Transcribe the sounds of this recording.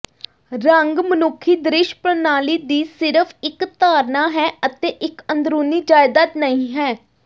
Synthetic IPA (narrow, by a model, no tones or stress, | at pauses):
ɾəŋɡmənʊkʰːiːd̪ɾɪʃpɾənaːliːd̪iːsɪɾəpʰɪkt̪aːɾnaːɦɛːət̪eːʔɪkənd̪ɾoːniːd͡ʒaːjd̪aːt̪nəĩːɦɛː